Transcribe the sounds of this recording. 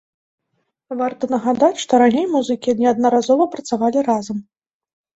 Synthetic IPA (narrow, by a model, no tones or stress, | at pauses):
vart̪ɐnɐɣad̪at͡sʲʂt̪ɔɾanʲejmuzɨkʲiɐnʲɛɐd̪̚nɐɾazɔvɐpɾɐt̪savalʲirazɐm